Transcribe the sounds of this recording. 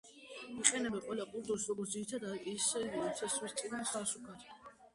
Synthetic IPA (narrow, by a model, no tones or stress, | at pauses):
iqʼɛnɛbɛqʼwɛlˠapʼud̪ɔsɾɔɡɔɾt̪iɾit̪ʰad̪aisɛviɾɔsʰɛsmɛst̪sʼid̪ansasukʰaɾ